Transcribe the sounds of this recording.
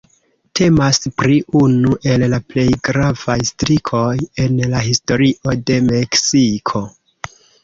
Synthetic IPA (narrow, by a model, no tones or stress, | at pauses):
tʰe̞maspɾiunuʔe̞llaple̞jɡɾavajstɾikʰo̞je̞nlahisto̞ɾiʔo̞de̞me̞ksikʰo̞